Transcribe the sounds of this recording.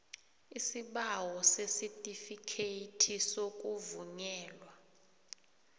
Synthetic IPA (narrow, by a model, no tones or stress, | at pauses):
isiɓawɔsesitʼifikʰetʰisok̬ʼuvuɲɛːlwa